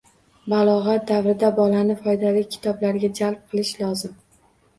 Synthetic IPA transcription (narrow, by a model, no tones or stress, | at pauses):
balˠɒʁat̪̚d̪avɾɪd̪abɒlanɪfɒjd̪alɪkʲʰɪ̥t̪ʰɒblaɾɡʲad͡ʒalˠp̚qʰɨlˠɪʃlɒzɪm